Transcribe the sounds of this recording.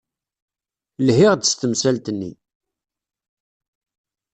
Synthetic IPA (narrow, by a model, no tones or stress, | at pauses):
lhɪʁd̪ə̥st̪əmsælt̪nːḭ